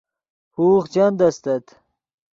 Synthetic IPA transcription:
huːχt͡ɕɐnd̪ɐst̪ɐt̪

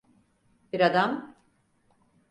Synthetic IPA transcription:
biɾad̪am

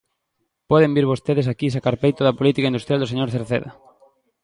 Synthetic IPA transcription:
pɔðembiɾβost̪eðesakisakaɾpejt̪oðɐpolit̪ikaind̪ust̪ɾjald̪oseɲoɾθeɾθḛðɐ̰

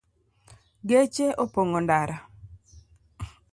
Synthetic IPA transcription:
ɡet͡ʃeʔopoŋondaɾa

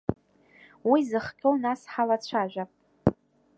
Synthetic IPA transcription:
wizɨχkʲʼownasħalat͡ɕʷʰaʒᶣʷapʼ

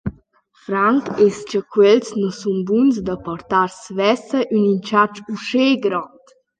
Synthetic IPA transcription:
fɾaŋkest͡ʃəkwɛlsnɔsumbunsd̪əpɔrt̪aɾsvɛsəʔynint͡ʃat͡ʃuʃeɡɾɔt̪

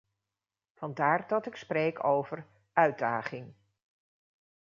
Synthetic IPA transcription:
v̥ɑndaːɹdɑtɪksprejkʰowvər | ʔœɥdaːχɪŋ

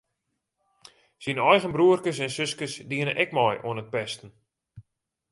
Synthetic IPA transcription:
sinɔjɣənbruərkəsɛnsøskəsdiənəʔɛkmɔjo̰ənət̚pɛstən̩

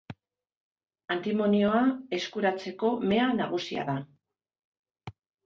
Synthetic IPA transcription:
ant̪imo̞nio̞ae̞skuɾat͡se̞ko̞me̞anaɣ̞usia̰ða

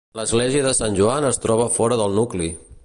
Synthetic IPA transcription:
ləzɣleziəðəsanʲʒuanəst̪ɾɔβ̞əfɔɾəðəlˠnukli

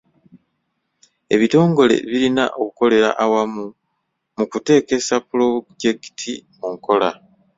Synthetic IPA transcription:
e̞βito̞ːŋɡo̞le̞̰βilina̰ʔo̞kuko̞le̞ɾa̰ʔawamu | mukute̞ːke̞sapulo̞ɟeki̥tʰimuŋkʰo̞la

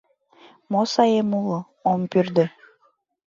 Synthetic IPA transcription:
mosɑjemulˠo | ompyrd̪ɘ

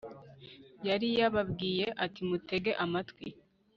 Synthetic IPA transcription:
jaɾijaβabɡiːje̞ʔatimute̞ɡe̞ʔamatkwi

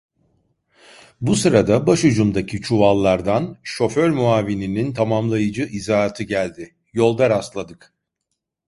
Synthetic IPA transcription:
busɯɾad̪abaʃud͡ʒumd̪acʰit͡ʃʰuvalˠːaɾd̪anʃo̞føɾmuaːvininint̪ʰamamlˠajɯd͡ʒɯʔizaːt̪ʰɯɟælʲd̪ɪ | jo̞lˠd̪aɾaslˠad̪ɯk

